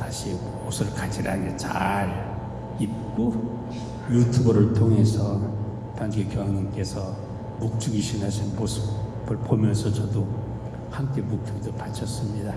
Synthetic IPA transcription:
taɕʰi | mosʰɯɡɯɭkad͡ʑiɾa̰net͡ɕa̰ɾ | it̚k͈o | jutʰubʌɾɯɭtʰoŋe̞sʰʌ | tand͡ʑiɡekjʌŋaŋink͈e̞sʰʌ | muk̚t͡ɕ͈uɡiɕʰinɦaɕʰinmosʰɯbbɯɭbomjʌnsʰʌt͡ɕʌdo | hamk͈e̞muk̚t͡ɕ͈uɡidopat͡ɕʰʌs͈ɯmɲida

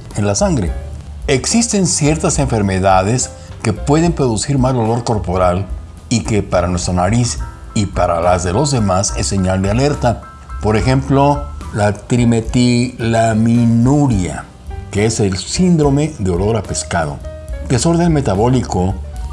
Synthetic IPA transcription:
enlasaŋɡɾe̞̰ | eksist̪e̞nsje̞ɾt̪ase̞ɱfe̞ɾme̞ðaðe̞s | ke̞pwe̞ðe̞mpɾo̞ðusiɾmalo̞lo̞ɾko̞ɾpo̞ɾal | ike̞paɾanwe̞st̪ɾanaɾis | ipaɾalazðe̞lo̞zðe̞mase̞sːe̞ɲald̪eale̞ɾt̪a | po̞ɾe̞xe̞mplo̞lat̪ɾime̞t̪ilaminuɾja̰ | kee̞se̞lsind̪ɾo̞me̞ðeo̞lo̞ɾape̞skað̞o̞̰ | d̪e̞so̞ɾðe̞nme̞t̪aβo̞liko

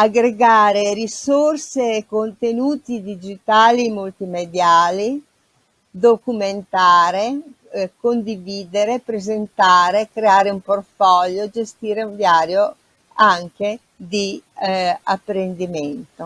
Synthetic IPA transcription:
aɡɾeɡaːɾeɾisorseːkont̪enuːt̪id̪id͡ʒit̪aːlimult̪imed̪jaːli | d̪okument̪aːɾe | kond̪iviːd̪eɾepɾezent̪aːɾekɾeaːɾeumport̪fɔʎːod͡ʒest̪iːɾeuɱd̪jaːɾjo | aŋk̟e | d̪i | apːɾend̪iment̪o

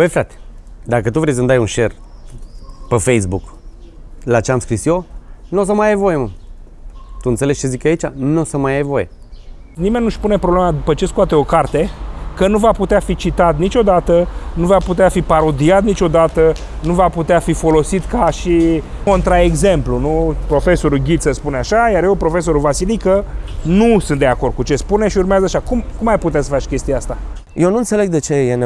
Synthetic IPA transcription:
bəjfɾat̪e̥d̪akət̪uvɾejs̬əmnd̪ajunʃer | pefejsbuk | lat͡ʃeamskɾisjonos̬əmajajvo̞jemə | t̪uɨnt̪se̞le̞t͡ʃezikait͡ʃa̰nosəmajajvo̞je | nimenːuʃpune̞pɾoblemad̪upət͡ʃe̞skuat̪eo̞kart̪e̞kənuvaput̪eafit͡ʃit̪at̪nit͡ʃʲo̞d̪at̪ənuvaput̪eafipaɾo̞d̪iat̪nit͡ʃʲo̞d̪at̪ə | nuvaput̪eafifo̞lo̞sit̪kaʃi | ko̞nt̪ɾae̞ɡze̞mplunupɾo̞fe̞so̞ɾuɡʲit̪səspuneaʃajarjewpɾo̞fe̞s̬o̞ɾulvasilikənusɨnt̪d̪e̞ako̞rd̪̚kut͡ʃe̞spune̞ʃiurmeazəaʃakumkumajput̪easəfat͡ʃkʲe̞st̪ijeast̪a | jewnuɨnt̪se̞le̞ɡ̚d̪et͡ʃejen

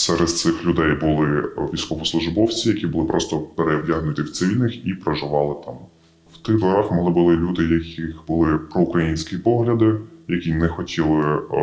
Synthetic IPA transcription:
sɛɾɛd̪̥t̪sɪxlʲʊd̪ɛjbʊlˠɪʋʲijsʲkɔʋɔslˠʊʒbɔwt͡sʲijɐkʲibʊlˠɪpɾɔst̪ɔpeɾɛwdʲaɦnʊt̪ʲiwt̪sɪʋʲilʲnɪxipɾɐʒɪʋɑlˠɪt̪ɑm | wt̪ɪɣd̪lˠɔɾɑxmɔlˠɪbʊlˠɪlʲud̪ɪjɐkʲixbʊlˠɪpɾɔʊkɾɐjinʲsʲkʲipɔɦlʲɐd̪ɪjɐkʲinɛxɔtʲʰilˠɪ

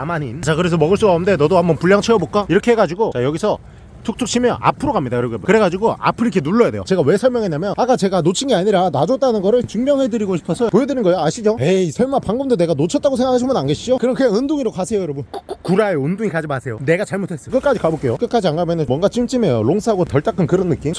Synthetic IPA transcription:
amaɲint͡ɕakɯɾes̬ʰʌmʌɡɯɭs͈uɡaomnde̞nʌdohambʌnpuʎːjaŋt͡ɕʰeʌbok͈aiɾʌkʰeɦeɡad͡ʑiɡot͡ɕajʌɡisʰʌ | tʰuk̚tʰukt͡ɕʰɕʰimjʌna̰pʰɯɾoɡamɲidajʌɾʌɡiebkɯɾe̞ɡad͡ʑiɡoa̰pʰɯɾikʰenuɭːʌjadejo̰t͡ɕe̞ɡawe̞sʰʌɭmjʌŋenːamjʌnak͈at͡ɕe̞ɡanot͡ɕʰinɡeaɲiɾanad͡ʑʌt͈anɯnɡʌɾɯɭt͡ɕuŋmjʌŋɦedɯɾiɡoɕʰi̥pʰʌsʰʌpojedɯɾinɡʌejoaɕʰid͡ʑoeisʰʌɭmapaŋɡɯmdone̞ɡanot͡ɕʰʌt͈aɡos̬ʰeŋɡakʰaɕ̬ʰimjʌnanɡeɕ͈iokɯɾʌnkɯɡeɯndoŋiɾokasʰe̞jojʌɾʌbɯnkkkuɾaeundoŋikad͡ʑimasʰe̞jone̞ɡat͡ɕaɭmotʰe̞s͈ʌkɯk͈ad͡ʑikabok͈e̞jok͈ɯk͈ad͡ʑianɡamjʌnɯnwʌnɡat͡ɕimt͡ɕ͈ime̞joloŋs͈ʰɯɦaɡotʌɭt͈akʰɯnkɯɾʌnːɯk͈imʰ

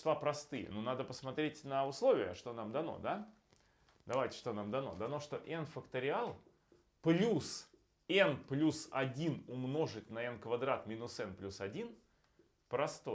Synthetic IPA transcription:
lˠapɾɐst̪ɨjə̰nunad̪əpəsmɐt̪ɾʲetʲnəʊslˠo̞vʲɪjəʂt̪o̞namd̪ɐno̞̰d̪a | d̪ɐvajtʲɪ̥ʂt̪o̞namd̪ɐno̞̰d̪ɐno̞ʂt̪o̞ʔɛnfəkt̪əɾʲɪalˠ | plʲus | ɛnplʲusɐ̰dʲinʊmno̞ʐɨt̚ʲnɐɛnkvɐd̪ɾat̪mʲinʊsɛnplʲusɐdʲin | pɾɐst̪o̞̰j

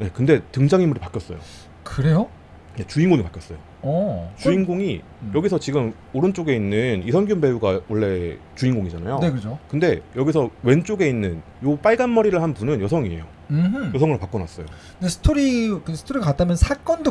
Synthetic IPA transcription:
je̞kɯnde̞tɯŋd͡ʑaŋimuɾipak͈jʌs͈ʌ̰jo̰ | kɯɾe̞jo | ne̞t͡ɕuinɡoŋipak͈jʌs͈ʌjo | ʌt͡ɕuinɡoŋi | jʌɡis̬ʰʌt͡ɕiɡɯm | oɾɯnt͡ɕ͈oɡe̞inːɯnisʰʌnɡiumbe̞uɡawʔʌɭːe̞ | t͡ɕuinɡoŋid͡ʑanajonekɯɾd͡ʑokɯnde̞jʌɡisʰʌwe̞nt͡ɕ͈oɡe̞inːɯn | jop͈aɭɡanmʌɾiɾɯɭhanpunɯnjʌsʰʌŋie̞̰jo | ɯjʌs̬ʰʌŋɯɭopak͈ʌnas͈ʌjo | ndesʰɯ̥tʰoɾikɯsʰɯ̥tʰoɾiɡakat͈amjʌnsʰak͈ʌndo

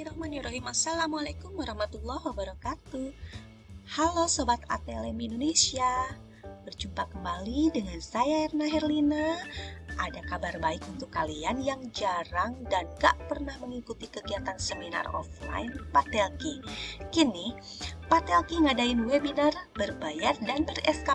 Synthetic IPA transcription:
iɾɔhmaniɾɔɦimasalamwalakumwaɾɑhmat̪ulˠːɔhwabəɾakat̪u | halosobat̪a̰t̪elɛmindonesia | bərd͡ʒumpakəmbalidəŋansajairnaɦɛrlina | ʔadakabarbaɪkunt̪ʊkːalianjaŋd͡ʒaɾaŋdanɡa̰ʔpərnahməŋikut̪ikəɡiat̪ansəmina̰rɔ̰fla̰inpat̪ɛlkikini | pat̪ɛlkiŋadaɪnwebinarbərbajardanbərɛska

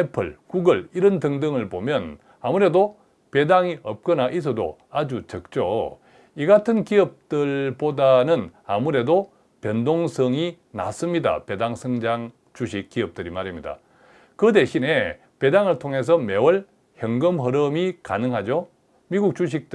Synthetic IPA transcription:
epʰɯɭkuɡɯɭiɾʌntɯŋdɯŋɯɭpomjʌn | amuɾe̞do | pe̞daŋiʌp̚k͈ʌnaʔis̬ʰʌdo̰ad͡ʑut͡ɕʌk̚t͡ɕ͈o̰ | iɡatʰɯnkiʌp̚tɯɭpodanɯna̰muɾe̞do | pjʌndoŋsʰʌŋi | na̰s͈ɯmɲida̰pedaŋsʰʌŋd͡ʑaŋ | t͡ɕuɕʰik͈ːiʌp̚t͈ɯɾimaɾimɲida̰ | kɯde̞ɕʰine̞ | pe̞daŋɯɭtʰoŋɦe̞s̬ʰʌme̞wʌɭ | hjʌŋɡɯmɦʌɾɯmika̰nɯŋɦad͡ʑo | miɡuk̚t͡ɕuɕ̬ʰik̚t

